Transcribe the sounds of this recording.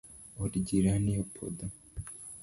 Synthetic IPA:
oɾiɟiɾanijopʰo̰d̪a

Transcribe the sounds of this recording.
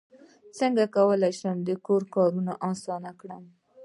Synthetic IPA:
səŋɡakawəlajʃəmd̪əkoɾkɑɾunaʔɑsɑnakɽəm

